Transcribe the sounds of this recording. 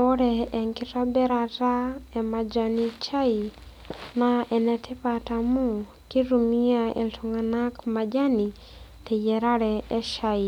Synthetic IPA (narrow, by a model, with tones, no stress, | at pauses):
ɔ˦ɾɛɛ˨ŋki˦tabɛ˦ɾata˦ɛ˨ma˨d͡ʒanit͡ʃʰa˦i | naʔɛ˨nɛ˨tʰɛ˦patamu˦ | ki˦ɾumiaɛ̰˨ltʰɔŋɡanakma˨d͡ʒa˦ni˨ | tɛ˨jɛɾaɺɛɛ˦ʃai˨